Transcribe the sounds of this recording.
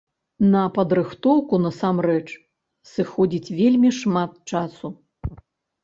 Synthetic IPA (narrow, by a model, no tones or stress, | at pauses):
nɐpɐd̪ɾɨxt̪ɔwkunɐsamrɛt͡ʂ | sɨxɔd͡zʲit͡sʲvʲelʲmʲiʂmat̪̚t͡ʂasu